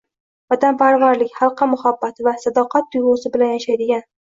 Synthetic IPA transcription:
vad̪ampʰaɾvaɾlɪkʲχɑlˠqʰɑmʊhabːat̪vasad̪ɒqʰɑt̪̚d̪ʊjʁɒsɪbɪlanjaʃajd̪ɪɡʲan

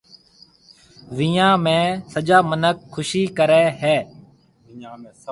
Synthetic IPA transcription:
ʋɪːjãːmẽːsəd͡ʒaːmənəkʰːʊʃiːkəɾɛːɦɛː

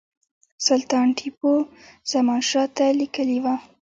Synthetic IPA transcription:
sʊlt̪ɑnʈʰipoz̥amɑnʃɑt̪alikəliwa

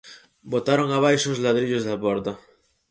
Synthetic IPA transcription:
bot̪aɾoŋaβ̞ajʃʊːzlaðɾiʎʊzðapɔɾt̪ɐ

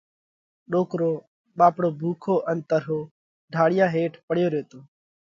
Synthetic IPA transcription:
ɗoːkɾoː | ɓaːpɽoːbʱuːkʰoːʔənt̪əɾɦoː | ɖʱaːɽɪjaːɦeːʈʰpəɽ̤ɪjoːɾeːt̪oː

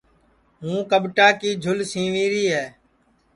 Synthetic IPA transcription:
ɦũːkəɓʈaːkiːd͡ʒʱʊlsĩːʋĩːɾiːɦɛː

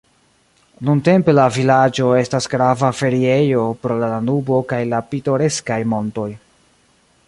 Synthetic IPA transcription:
nunte̞mpe̞lavilad͡ʒo̞e̞stasɡɾavafe̞ɾie̞jo̞pɾo̞lalanubo̞kajlapito̞ɾe̞skajmo̞nto̞j

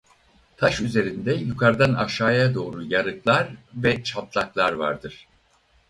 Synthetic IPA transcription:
t̪ʰaʃyze̞ɾind̪ɛjukʰaɾd̪anaʃaːjad̪o̞ːɾujaɾɯklˠaɾvɛt͡ʃʰaplˠaklˠaɾva̰ɾd̪ɯɾ̥

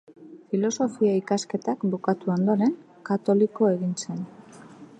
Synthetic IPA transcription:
filo̞so̞fiaikaske̞t̪akbukat̪uond̪o̞ɾe̞ŋ | kat̪o̞liko̞e̞ɣinse̞n

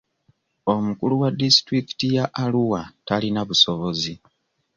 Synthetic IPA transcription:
o̞mukuluwadistɾiki̥tijaʔaluwatalinaβuso̞βo̞zi

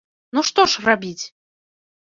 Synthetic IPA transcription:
nuʂt̪ɔʂrabʲit͡sʲ

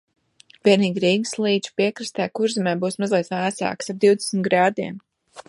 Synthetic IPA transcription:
vʲiɛniːɡɾiːɡslˠiːd̪ʃpiɛkɾist̪ɛːkuɾzimɛːbuːsmazlʲˠɛt̪væːsa̰ːksab̚d̪iwd̪e̥smit̪ɡɾaːd̪iɛm

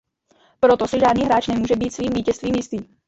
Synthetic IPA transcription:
pɾot̪osɪʒaːdniːɦɾaːt͡ʃnɛmuːʒɛbiːt̪sviːmviːcɛst̪viːmjɪst̪iː

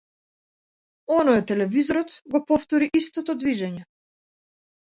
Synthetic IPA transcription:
ɔnɔjɛt̪ːɛlɛvizɔɾɔt̪ɡɔpɔft̪ɔɾiʔist̪ɔt̪ɔd̪viʒɛɲɛ

